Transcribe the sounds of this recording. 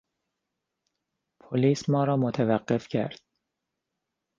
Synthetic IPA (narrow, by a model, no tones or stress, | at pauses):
pʰoliːsmɒːɾɒːmot̪ʰævæɢːefcʰæ̰ɾd̪̥̚